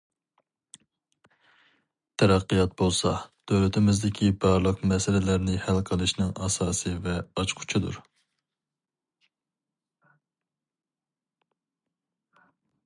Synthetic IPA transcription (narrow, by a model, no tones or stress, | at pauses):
t̪ʰɛɾɑqːijɑt̪̚bolˠsɑd̪̥ølyt̪ʰɪmɪzd̪ɪkʲʰibɑɾlˠəqmɛsɪlɪlæɾnɪhælqʰəlˠɨʃnɪŋɑsɑːsɨvɛɑt͡ʃqʰʊ̥t͡ʃʰid̪ṵɾ